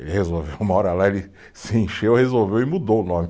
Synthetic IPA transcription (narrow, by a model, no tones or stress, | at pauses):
ḛlɪhezowvewũmɐɔɾɐlaelɪ | sɪẽʃewhezowvewɪmud̪owʊnõmɪ